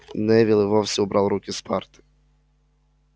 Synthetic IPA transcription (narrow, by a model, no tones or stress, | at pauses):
nɛvʲilˠɨvɔwsʲɛubɾʔawɾukʲispʰart̪ɨ̥